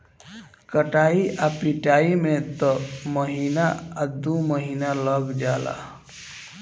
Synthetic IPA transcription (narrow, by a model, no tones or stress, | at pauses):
kəʈaiʔapiʈaimet̪ɔməɦinaad̪uməɦinaləɡd͡ʒala̰